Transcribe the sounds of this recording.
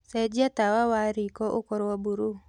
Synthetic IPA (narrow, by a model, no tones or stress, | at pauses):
sɛd͡ʒiatawawaɾikɔʔʊkɔɾwabuɾu